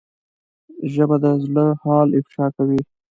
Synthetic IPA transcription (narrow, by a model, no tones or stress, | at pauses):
ʒəbad̪əzləhɑːlɪfʃɑkawi